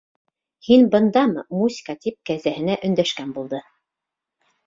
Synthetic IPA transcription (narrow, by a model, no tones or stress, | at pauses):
hinbɤ̆nd̪ɑmɤmuzʲi̥kɑt̪ip̚kæzæhɘ̆næʔɵ̆nd̪æʃkænbulˠd̪ɤ